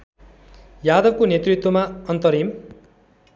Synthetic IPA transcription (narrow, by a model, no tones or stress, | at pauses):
jad̪ʌbkonet̪rit̪wʌmaʌnt̪ʌɾim